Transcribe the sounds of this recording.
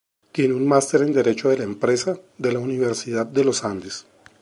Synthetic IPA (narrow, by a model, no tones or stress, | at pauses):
k̪jenunmast̪e̞ɾe̞nd̪e̞ɾe̞t͡ʃo̞ðe̞laempɾe̞saðe̞launiβe̞ɾsiðad̪ːe̞lo̞sand̪es